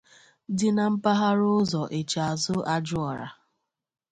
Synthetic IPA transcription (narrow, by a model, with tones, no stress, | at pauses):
dɪ˦na˨m̩˦pa˦ɦa˦ɾʊ˦zɔ˨ʔe˨t͡ʃa˨a˨zʊ˦a˦d͡ʒʊ˦ɔ˨ɾa̰˨